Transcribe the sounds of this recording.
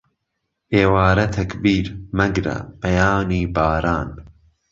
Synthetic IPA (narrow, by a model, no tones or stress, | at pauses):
ʔeːwaːɾɐt̪ʰɐkbiːɾmɐɡɾɐ̰pɐjaːniːbaːɾaːn